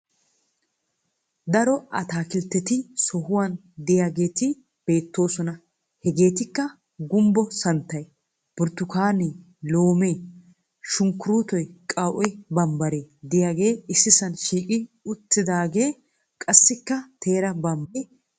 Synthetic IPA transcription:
d̪ɐɾɔʔɐ̰t̪aːkɪlt̪ːɛt̪ɪsɔhʊwan | d̪ɪjaːɡe̞ːt̪ɪ | b̥e̞ːt̪ːo̞ːsɔnɐ | hɛɡe̞ːt̪ɪkːɐ | ɡʊmbɔsɐnt̪ːɐj | b̥ʊɾt̪ːʊkaːnɪ | lo̞ːmeː | ʃʊŋkʊɾuːt̪ɔjkʼawʔɔjbɐmbɐɾeːd̪ɪjaːɡe̞ːɪsːɪsɐnʃiːkʼɪʊt̪ːɪd̪aːɡe̞ː | kʼɐsːɪkːɐt̪ʰe̞ːɾɐbɐmbe

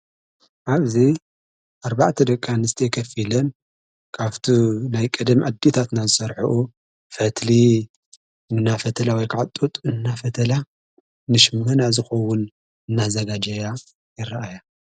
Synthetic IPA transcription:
ʔaβzi | ʔaɾbaʕt̪ʰɐd̪ɐkʼːanɨst̪ʰekʰɐfilɐn | kʰaβt̪ʰunajkʼɐd̪ɐmʕad̪ːet̪ʰat̪nazɨsɐɾħuʔu | fɐt̪ʰli | ɨɨnːafɐt̪ʰɐlawɔjkʰaʕat̪ʼut̪ʼɨnːafɐt̪ʰɐla | nɨʃɪmhɨnazɨxɐwːʊn | ɨnːazɐɡad͡ʒɐja | jɪɾaʔaja

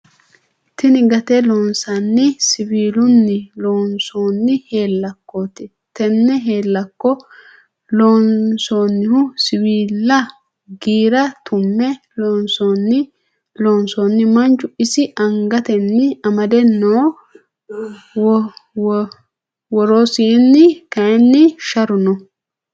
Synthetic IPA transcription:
t̪ɪnɪɡɐt̪eloːnsɐnːɪsɪβiːlʊnːɪloːnsoːnːɪheːlːɐkːoːt̪ɪ | t̪ɛnːɛɦeːlːɐkːɔ | lonsoːnːɪhʊsɪwiːlːɐ | ɡiːɾɐt̪ʰʊnːɛ | loːnsonːɪ | loːnsoːnːɪmɐnt͡ʃʊɪsɪɐŋɡɐt̪ɛnːɪɐmɐd̪ɛnːoː | wɔɾoːsiɛnːɪkɐɛnːɪʃɐɾʊnɔ

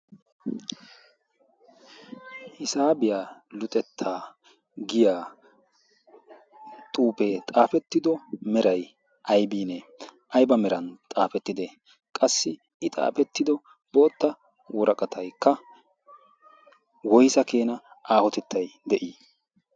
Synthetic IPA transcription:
hɪsaːbɪjaːlʊt̪ʼɛt̪ʰːaː | ɡɪjaː | t̪ʼuːpeːt̪ʼaːfɛt̪ːɪd̪ɔmɛɾɐj | ʔɐjbiːne | ɐjbɐmɛɾɐnt̪ʼaːfɛt̪ːɪd̪ɛ | kʼɐsːɪ | ɪt̪ʼa̰ːpɛt̪ːɪd̪ɔ | b̥oːt̪ːɐ | wɔɾɐkʼɐt̪ʰɐjkːɐ | wɔjsɐke̞ːnɐ | ʔaːhɔt̪ɛt̪ʰːɐjd̪ɛʔiː

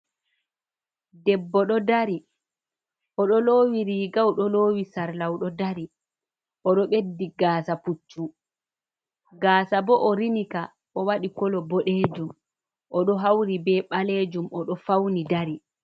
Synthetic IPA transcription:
dɛbːɔɗɔdaɾi | ʔɔɗɔloːwiɾiːɡawɗɔloːwisaɾlawɗɔdaɾi | ʔɔɗɔɓedːiɡaːsaput͡ʃːu | ɡaːsabɔʔɔɾinika | ʔɔwaɗikɔlɔbɔɗeːd͡ʒum | ʔɔɗɔɦawɾibɛɓaleːd͡ʒumɔɗɔfawnidaɾi

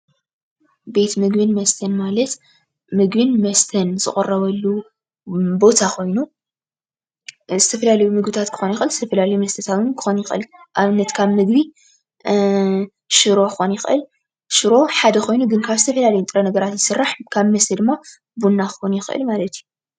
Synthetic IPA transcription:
be̞t̪mɨɡbɨnmɐst̪ʰɐnmalɐt̪ | mɨɡbɨnmɐst̪ʰɐnzɨ̰χʼɐrːɐβɐlːu | bo̞t̪ʰakʰo̞jnu | zɨt̪ʰɐfɐlalɐjumɨɡbɨt̪ʰat̪kʰɨ̥xo̞njɪxʔɨlzɨt̪ʰɐfɐlalɐjumɐst̪ʰɐt̪ʰaβɨnkʰɨ̥xonjɪxʔɨ̰lʔaβnːɐt̪kʰaβmɨɡbi | ʃɨɾo̞kɨxonjɪxʔɨ̰l | ʃɨɾo̞ħad̪ɐxʰo̞jnuɡɨnkʰaβzɨt̪ʰɐfɐlalɐjunt̪ʼɨɾɐnɐɡɐɾat̪zɪsɨrːaħkʰaβmɐst̪ʰɐd̪ɨmːa | bunːakɨxonjɪxʔɨ̰lmalɐt̪ju

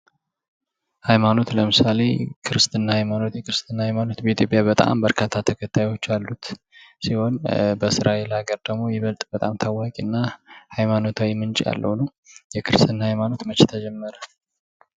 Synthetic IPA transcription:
hajmano̞t̪ləmɨsale̞̰kʰɨɾɨst̪ʰʼɨnːahajmano̞t̪jɛkɨɾɨst̪ʰɨnːahajmano̞t̪bəit̪ʰjo̞pʼjabət̪ʼa̰mbəɾkʰat̪ʰːat̪ʰəkʰət̪ʰːajwo̞t͡ʃːalːut̪ | siho̞nbəsɨɾʔaelaɡəɾd̪̥əɡmo̞jɪβəlt̪ʼbət̪ʼamt̪ʰawːakʼiɨnːahajmano̞t̪ʰawimɨnt͡ʃʼia̰lːə̰hwnəwjɛkʰɨɾɨst̪ʰɨnːahajmano̞t̪mət͡ʃt̪ʰəd͡ʒɛmːəɾə

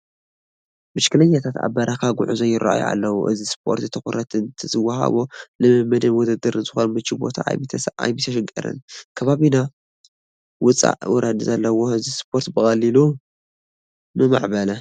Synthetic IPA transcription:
mɨʃkɨlɐɲːat̪ʰat̪a̰bɐɾakʰaɡʊ̰ʕuzojɪɾa̰ʔjṵa̰lːɐwṵʔɨ̰zispʰo̞̰ɾt̪t̪ʰɐxuɾɐt̪ɨnt̪ʰɨzɨwːaɦa̰βonɨmɐmɐd̪ɐmwɔd̪ɐd̪ɨɾɨnzɨxonmɨt͡ʃːibo̞̰t̪ʰa̰ʔa̰jit̪ʰa̰jmit̪ʰɐʃ̬ɨɡɐ̰ɾɨ̰nkʰɐβaβina | wʊt͡sʼa̰ʕwɔɾɐd̪zɐlːɐwoɨzispʰo̞ɾt̪bɨxʼɐlilu | mɨma̰ʕbɐlɐ

